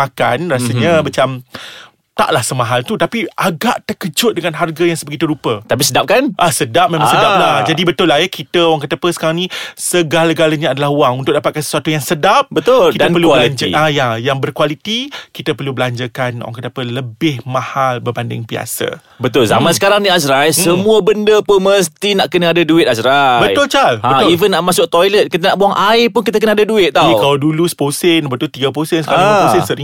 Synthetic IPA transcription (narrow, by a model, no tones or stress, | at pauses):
aka̰nrasəɲəmat͡ʃam | t̪a̰ʔlahsəmãɦalt̪ut̪apiʔaɡaʔt̪əkəd͡ʒʊt̪̚dəŋanɦarɡajaŋsəbəɡit̪əɾupət̪apisədap̚kanʔasədap̚memãŋsəpdalad͡ʒadibət̪ʊlahjəkit̪əwaŋkət̪apəsə̥kaɾaŋnisəɡalaɡalaɲãːdalaɦwaŋunt̪ʊʔ̚dapat̪̚kansə̥suwat̪ujaŋsədap̚bət̪ʊlkid̪ənpərluəlaɲd͡ʒəʔajajaŋbərkwalit̪ikit̪apərlubəlaɲd͡ʒakanwa̰ŋkədapələbɪhmãhalbərbandɪ̰ŋbia̰sa̰ | bət̪ʊlza̰mãnsə̥kaɾaŋniasɾajəmũəbəndəpəməst̪inaʔkənəadaduɪt̪̚asɾabəj̪ʊlt͡ʃalaə̃ivənːaʔmãsʊk̚t̪ojlət̪̚kit̪̬ənaʔboaŋʔaɪpʊnkit̪̬akənaadaduɪt̪̚t̪ːaikaladulusə̥posɪnbət̪ʊlt̪iɡaposənsə̥kaɾãosɪnsəɾiŋ